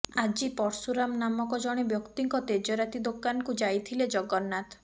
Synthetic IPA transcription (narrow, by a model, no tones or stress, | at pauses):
ad͡ʒipɔɾsuɾamnamɔkɔd͡ʒɔɽ̃ebjɔkt̪iŋkɔt̪ed͡ʒɔɾat̪id̪okanɔkud͡ʒajt̪ʰiled͡ʒɔɡɔnːat̪